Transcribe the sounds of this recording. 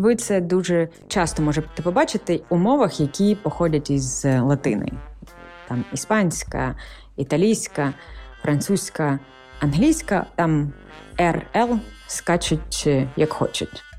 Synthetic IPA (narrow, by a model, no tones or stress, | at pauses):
ʋɪt̪sɛd̪uʒɛ | t͡ʃɑst̪ɔmɔʒɛt̪ɪpɔbɑt͡ʃɪt̪ɪumɔʋɐxjɐkʲipɔxɔdʲɐtʲizlˠɐt̪ɪnɪ̰ | t̪ɑmispɑnʲsʲkɐ̰ | it̪ɐlʲijsʲkɐfɾʔɐnt̪susʲkɐ | ɐnɦlʲijsʲkɐ̰t̪ɑm | ɛrɛlˠskɑt͡ʃɪtʲjɐkxɔ̰t͡ʃɐtʲ